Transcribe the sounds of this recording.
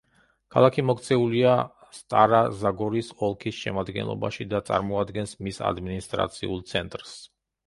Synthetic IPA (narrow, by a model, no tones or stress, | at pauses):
kʰalˠakʰimɔkʰt̪sʰɛulia | st̪ʼaɾazaɡɔɾisɔlˠkʰisʃɛmad̪ɡɛ̰nlˠɔ̰baʃid̪at̪sʼa̰ɾmɔad̪ɡɛnsmisa̰d̪minist̪ʼɾa̰t̪sʰiulˠt̪sʰɛnt̪ʼɾs